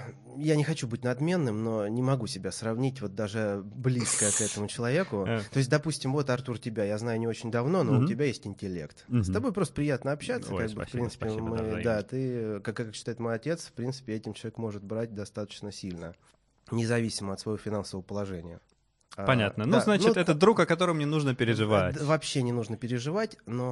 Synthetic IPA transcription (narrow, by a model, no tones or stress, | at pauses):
janʲɪxɐt͡ɕubɨtʲnɐd̪mʲe̞nːɨmno̞nʲɪmɐɡusʲɪbʲasrɐvnʲitʲvo̞t̪̚d̪aʐɨblʲiskəəkɛt̪əmʊt͡ɕɪlˠɐvʲe̞kʊt̪o̞ɪs̬ʲt̚ʲd̪ɐpusʲtʲɪmvo̞t̪ɐrt̪urtʲɪbʲajaznajʊnʲɪo̞t͡ɕɪnʲd̪ɐvno̞noʊtʲɪbʲajesʲtʲɪnʲtʲɪlʲe̞̰kt̪st̪ɐbo̞jpɾost̪ə̥pɾʲɪjat̪nəɐpɕːat̪səkaɡ̚bɨfpɾʲinɨ̥pʲɪmɨd̪at̪ɨkakːkːakɕːɪt̪aɪt̪mo̞jɐtʲe̞t̪sfpɾʲinsɨ̥pʲɪɛtʲɪmt͡ɕɪlˠɐvʲekmo̞ʐɨt̪̚bɾat̚ʲd̪ɐst̪at̪ə̥t͡ɕnəsʲilʲnə | nʲɪzɐvʲisʲɪməɐt̪svɐjofʲɪnansəvəvəpəlˠɐʐɛnʲɪjə̰ | apɐnʲat̪nənuznant͡ɕɪut̪ɛt̪əd̪ɾukɐkɐt̪o̞ɾəmnʲɪnuʐnəpʲɪɾʲɪʐɨvat̪vɐpɕːenʲɪnuʐnəpʲɪɾʲɪʐɨvatʲno̞